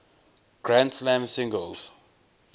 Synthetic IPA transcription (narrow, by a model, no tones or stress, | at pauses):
ɡ̥ɹãnslãmsɪ̃ŋɡəls